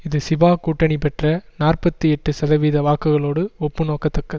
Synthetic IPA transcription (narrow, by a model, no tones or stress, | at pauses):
ɪðɯsɪbaːkuːʈːɐɳipɛʈrɐnaːrpɐt̪ːɯɛʈːɯsɐðɐʋiːðɐʋaːkɯɣɐɭoːɽɯɔpːɯnoːkɐt̪ːɐkːɐðɯ